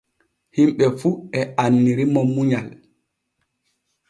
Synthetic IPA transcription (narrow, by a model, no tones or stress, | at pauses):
himɓɛfuɛʔanːiɾimɔmuɲal